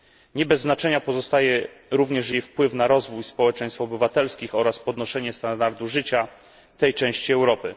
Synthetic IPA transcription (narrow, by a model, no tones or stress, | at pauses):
ɲɛbɛzːnat͡ʂɛɲapɔzɔst̪ajɛɾuvɲɛʂjejfpwɘfnaɾɔzvujspɔwɛt͡ʂɛ̃ɲ̃st̪fɔbɘvat̪ɛlskʲixɔɾaspɔd̪nɔʂɛɲɛst̪and̪aɾd̪uʐɘt͡ɕa | t̪ɛjt͡ʂɛ̃w̃ɕt͡ɕiɛwɾɔpɘ